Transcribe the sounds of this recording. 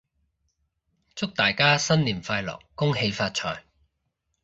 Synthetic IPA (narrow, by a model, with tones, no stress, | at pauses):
t͡sʊ˥k̚t̪aː˨˩jkaː˥sɐ˥nliː˨˩nfaː˧jlɔ̰˨˩kːʊ˥ŋɦe˨˧jfaː˧t̚t͡ʃʰɔ̰ː˨˩j